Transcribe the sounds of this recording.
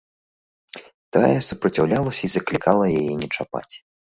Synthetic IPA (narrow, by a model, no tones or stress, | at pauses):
t̪a̰jɛsupɾɐt͡sʲawlʲalˠɐsʲɐizɐklʲikʰalˠɐjajɛnʲɛt͡ʂapa̰t͡sʲ